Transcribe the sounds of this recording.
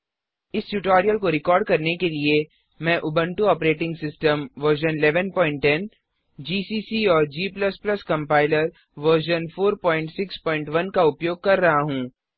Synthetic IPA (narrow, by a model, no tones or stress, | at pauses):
ɪsʈuʈɔːɾijəlkoɾɪkɔːɾɖ̚kɐɾnekelie | mɛ̃ːʔʊbə̃ɳʈuɔːpɾeːʈɪ̃ŋɡsɪsʈəmʋəɾʃənɪlɛʋənpɔːɪ̃ɳʈːɛn | d͡ʒiːsiːsiɔːɾd͡ʒiːplɐsplɐskɐ̃mpaːɪləɾ | ʋəɾʃənfoːɾpɔːɪ̃ɳʈsɪkspɔːɪ̃ɳʈʋɐnkaʊpjoːɡ̚kɐɾːɐɦaɦũː